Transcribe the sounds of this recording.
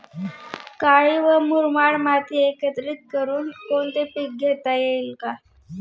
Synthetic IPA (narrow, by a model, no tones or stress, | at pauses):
kaɭiʋəmuɾmaɽmat̪iekət̪ɾit̪̚kəɾuːnkoɳt̪epik̚ɡʱet̪ajeilka